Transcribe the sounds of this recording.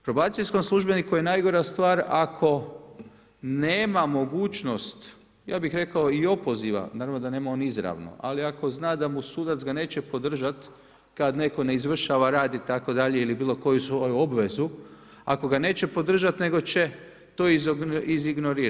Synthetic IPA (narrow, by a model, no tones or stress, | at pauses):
pɾobaːt̪sisko̞mslˠuʒbe̞nikuje̞najɡo̞ɾast̪ʋaːɾakʰo̞ | neːmamo̞ɡuːt͡ʃno̞st̪ | jaːbixɾe̞kao̞io̞po̞ziʋa̰naːɾavʋnod̪ane̞ːmao̞nizɾa̰ʋno̰ʔa̰liako̞znaːd̪amusuːd̪at̪zɡane̞ːt͡ʃepo̞d̪r̩ʒat̪ | kad̪ne̞ko̞ne̞izʋr̩ʃaʋaɾaːd̪it̪ako̞d̪aʎe̞ilibiːlo̞ko̞jusʋojuobʋe̞zu | ako̞ɡane̞ːt͡ɕe̞po̞d̪r̩ʒat̪ne̞ɡo̞t͡ɕe̞ | t̪oːiziziɡnoɾiːɾ